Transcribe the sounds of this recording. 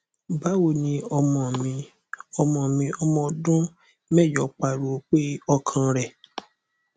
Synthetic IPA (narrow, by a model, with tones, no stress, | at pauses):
ba˨˦wo˦˨nĩ˧ɔ˧mɔ̃˨mĩ˧ | ɔ˧mɔ̃˨mĩ˧ɔ˧mɔ̃˧dũ˦ | mɛ˦˨jɔ˨k͡pa˨ɾo˨k͡pe˦ɔ˧kʰã˧ɾɛ˨